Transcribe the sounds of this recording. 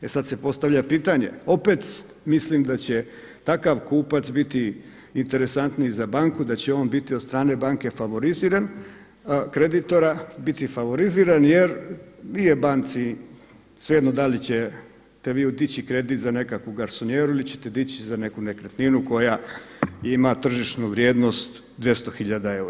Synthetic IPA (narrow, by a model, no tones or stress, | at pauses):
esad̪se̞po̞st̪aʋʎapiːt̪aɲe̞̰o̞pet̪ | mislimd̪at͡ɕe̞ | t̪akaʋkuːpat̪sbit̪i | int̪e̞ɾe̞sant̪nizabaŋkud̪at͡ɕeo̞ːnbit̪iost̪ɾaːne̞baːŋke̞faʋo̞ɾiziːɾan | kɾe̞d̪it̪o̞ɾabit̪ifaʋo̞ɾiziːɾanjeɾnijebaːnt̪si | sʋjed̪nod̪alit͡ɕe | t̪e̞ʋiːud̪it͡ɕikɾe̞d̪it̪zane̞kakuɡaɾsonjeːɾuilit͡ɕe̞̥t̪e̞d̪it͡ɕizane̞kune̞kɾet̪ninuko̞ja | imat̪r̩ʒiʃnuʋɾjeːd̪no̞st̪ | d̪ʋje̞st̪oxiʎad̪ae̞uɾa